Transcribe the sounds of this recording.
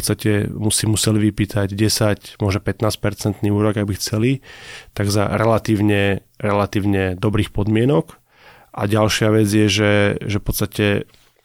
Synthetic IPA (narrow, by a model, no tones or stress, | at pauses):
t̪st̪acɛmusimusɛliʋipiːt̪ʰaɟɟɛsacmʊɔʒɔpɛt̪naːsc̚pɛɾt͡sɛnt̪niːuːɾɔɡabixt͡sɛlit̪aɡza̰ɾɛlat̪iːʊɲɛ | ɾɛlat̪iːʊɲɛd̪ɔbɾiːxpɔd̪mɪɛnɔk | ʔa̰ɟalʃɪaʋɛd͡zjɛʒɛʒɛfpɔtt͡sst̪acɛ